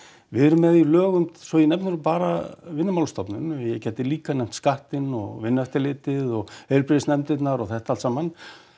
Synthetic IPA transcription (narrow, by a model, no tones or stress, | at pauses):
vɪðɾʏmːɛðilœːɣʏmsɔinɛmpnʏɾʏmpaːɾa̰vɪnːɪmawlst̪ɔpnʏnjɛcɛt̪ɪliːkanɛjm̥t̪skaht̪ɪnɔ̰ɣvɪnːɛft̪ɪlɪːt̪ɪðɔɣheːlpɾɪðɪsnɛmt̪ɪt̪naɾɔɣθɛht̪aalsaːman